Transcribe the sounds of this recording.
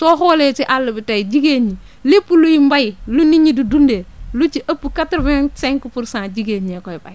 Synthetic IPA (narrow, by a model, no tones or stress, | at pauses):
toholesiʔalːubitajd͡ʒiɡeɲi | lipːulujimbajiluniɲidudundelut͡ʃiʔapːukatɾveŋseŋkufuɾsãːd͡ʒiɡeɲekoiba̰j